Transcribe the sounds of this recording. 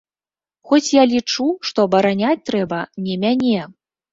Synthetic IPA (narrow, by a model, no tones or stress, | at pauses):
xɔt͡sʲjalʲit͡ʂuʂt̪ɔbɐɾanʲat͡sʲt̪ɾɛbɐnʲɛmʲanʲɛ